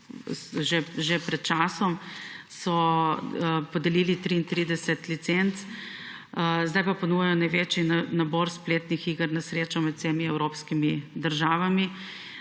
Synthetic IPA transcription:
sʒeʒepɾɛt̪̚t͡ʃaːsɔmsɔ | pɔd̪ɛliːlit̪ɾiint̪ɾid̪ɛsɛt̪lit̪sent̪s | zd̪ajpaponuːjajɔnajʋeːt͡ʃinnaboɾspleːt̪nixiːɡəɾnasɾeːt͡ʃɔmɛt̪semiɛwɾopskimid̪əɾʒaːʋami

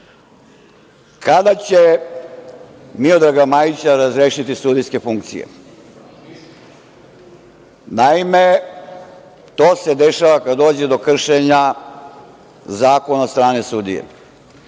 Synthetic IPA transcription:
kʰad̪at͡ɕe | mio̞d̪ɾaɡamaːjit͡ɕaɾazɾeːʃit̪isud̪ijske̞fuŋk̚t̪sḭjḛ | naime̞ | t̪o̞ːsed̪e̞ʃaʋakad̪d̪o̞ːd͡ʑe̞d̪o̞kr̩ʃeɲa | zaːko̞nast̪ɾaːnesud̪ḭjḛ

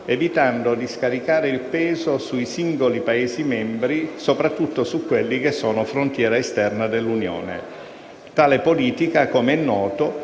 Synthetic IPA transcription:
evit̪and̪od̪iskaɾikaːɾeilpɛːzosuisiŋɡolipaeːzimɛmbɾisopɾat̪ːut̪ːosukːwelːikesːɔːnofɾont̪jɛːɾaest̪ɛrnad̪elːunjo̰ːnḛ | t̪aːlepoliːt̪ikakomeɛnːɔːt̪o

